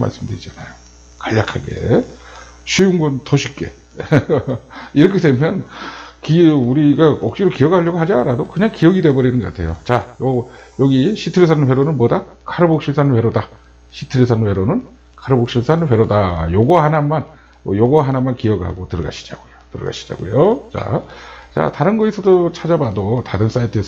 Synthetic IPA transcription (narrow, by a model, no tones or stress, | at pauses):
ma̰ɭs͈ɯmdɯɾid͡ʑanajo | kaʎːakʰaɡe̞̰ | ɕʰujuŋɡontʌɕʰip̚k͈e̞̰ | iɾʌkʰe̞dwe̞mjʌnkiuɾiɡaʌk̚ɕ͈iɾokijʌɡhaʎːʌɡoɦad͡ʑaɾadokɯɲaŋkijʌɡide̞bʌɾinɯnɡʌk͈atʰe̞jo̰t͡ɕajʌjʌɡiɕʰitʰɯɾes̬ʰanɸwe̞ɾonɯnpodakʰaɾɯbok̚ɕ͈ʰiɭsʰanɸwe̞ɾoda | ɕʰitʰɯɾisʰanwe̞ɾonɯn | kʰaɾɯbok̚ɕ͈ʰiɭsʰanɯɸwe̞ɾodajoɡʌɦanamːan | ʌjoɡʌɦanamːankijʌɡɯɭɦa̰ɡotɯɾɯɡa̰ɕʰi̥d͡ʑa̰ɡojotɯɾʌ̰ɡa̰ɕʰi̥d͡ʑa̰ɡo̰jot͡ɕa̰t͡ɕa̰taɾɯnɡʌisʰʌdot͡ɕʰad͡ʑabadotaɾɯns͈aitʰɯes